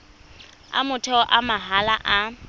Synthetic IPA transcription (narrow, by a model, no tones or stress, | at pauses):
a̰mʊtʰɔʔamaɦalaʔa